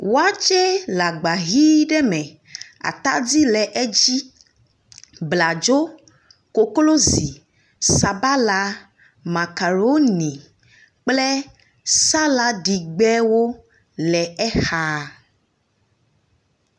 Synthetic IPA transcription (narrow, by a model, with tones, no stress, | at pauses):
wo˦a˦t͡ʃɛ˦la˨ɡ͡ba˨ɣi˦ɖɛ˦mɛ̃˨ | a̰˨t̪a̰˦di˦lɛ˨ʔɛ˦d͡ʒi˦ | bla˨d͡ʒo˦ | ko˨klo˦zi˨ | sa˨ba˦la˦ | ma˨ka˨ɾo˦nĩ˨ | k͡plɛ˦ | sa˦la˦ɖi˨ɡ͡bɛ˦wo˦ | lɛ˨ɛ˦xa˦